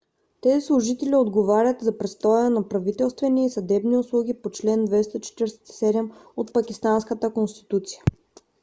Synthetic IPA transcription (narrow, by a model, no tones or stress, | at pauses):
t̪ɛzislˠʊʒit̪ɛliod̪ɡovaɾʲət̪zɐpɾɛst̪ɔjənɐpɾɐvit̪ɛlˠst̪vɛniisɐd̪ɛbniʊslˠuɡ̟ipot͡ʃlɛnd̪vɛst̪əit͡ʃɛ̥t̪iɾsɛ̥t̪sɛd̪ɛmot̪̚pɐkʲist̪anskət̪əkonst̪i̥t̪ut̪sijə